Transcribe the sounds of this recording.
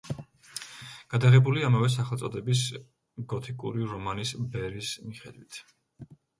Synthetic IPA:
ɡ̥ad̪aʁɛbuliamavɛs̬aχɛlt̪sʼɔd̪ɛbis | ɡ̥ɔt̪ʰikʼṵɾiɾɔmanisbɛɾismiχɛ̰d̪wit̪ʰ

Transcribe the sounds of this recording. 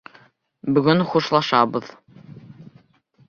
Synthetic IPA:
bɵ̆ɡɵnχuʃlˠɑʃɑβɤð

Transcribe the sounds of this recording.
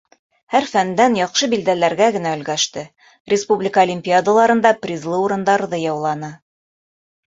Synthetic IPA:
hæɾfænd̪ænjɒqʃɤbild̪ælæɾɡæɡɘ̆næɵ̆lɡæʃt̪ɘ | rʲɪspublʲɪkəolʲɪmʲpʲiad̪əlˠɑɾɤ̆nd̪ɑprʲizlˠɤuɾɤ̆nd̪ɑɾðɤjɑwlˠɑnɤ

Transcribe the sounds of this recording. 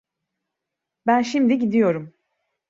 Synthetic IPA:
bænʃimd̪iɟid̪ijo̞ɾum

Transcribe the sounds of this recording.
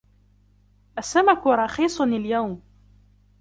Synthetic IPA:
ʔasːamakʊɾˤɑxiːsˤnɪljawm

